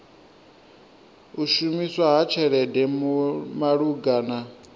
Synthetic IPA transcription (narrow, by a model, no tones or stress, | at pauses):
uʃumiswaɦat͡ʃʰɛɺɛdɛmumaɺuɡaːna